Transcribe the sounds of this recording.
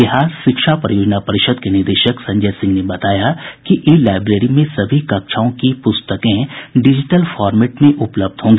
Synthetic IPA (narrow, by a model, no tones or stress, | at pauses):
bɪɦaːɾʃɪkʃapɾɐjoːd͡ʒnapɐɾɪʃəd̪kenɪɾd̪eːʃəksɐ̃ɲd͡ʒɛːsɪ̃ŋɡnebɐt̪aːjakiʔeːlaːɪbɾeːɾimẽsɐbʱikɐkʃʰaːõkipʊst̪əkẽɖɪd͡ʒɪʈəlfɔːɾmeːʈmẽʔʊpləb̚d̪ʱɦõːŋɡeː